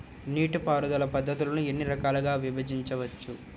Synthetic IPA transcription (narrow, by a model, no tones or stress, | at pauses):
niːʈupaːɾud̪ɐlɐpɐd̪ʱːɐt̪ulɐnuenːiɾɐkaːlɐɡaːʋibɐd͡ʒiɲt͡ʃɐʋɐt͡ʃːu